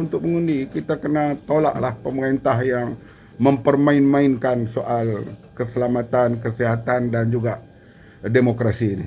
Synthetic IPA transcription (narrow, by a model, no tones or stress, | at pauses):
unt̪ʊk̚məŋundikit̪akənat̪ola̰ʔlahpəməɾaint̪aɦjaŋ | məmpərmaɪnmaɪnkansoʔalkəsəlamat̪ankəsiɦat̪andand͡ʒuɡaʔ | demokɾasiːni